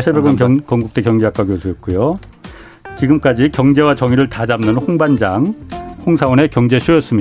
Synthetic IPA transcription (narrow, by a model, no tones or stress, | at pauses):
t͡ɕʰiɭbeɡwʌnkʌŋɡuk̚t͈ekjʌŋd͡ʑeɦak͈aɡiosʰɯʌt̚k͈ujo | t͡ɕiɡɯmk͈ad͡ʑikjʌŋd͡ʑe̞wat͡ɕʌŋiɾɯɭtad͡ʑamnɯnɸoŋband͡ʑaŋhoŋsʰaʌne̞kjʌŋd͡ʑe̞ɕʰujʌs͈ɯmɲid